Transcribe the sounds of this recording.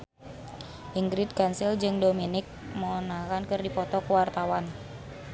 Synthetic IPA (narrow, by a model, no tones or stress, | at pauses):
ʔiŋɡɾit̪̚kansɪld͡ʒɨŋdominɪk̚mɔnakankɨrdipɔt̪ɔkəwart̪awan